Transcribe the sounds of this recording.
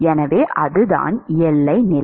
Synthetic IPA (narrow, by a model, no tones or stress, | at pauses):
ɛnɐʋeːʔɐðɯða̰ːnɛlːɐɪnɪl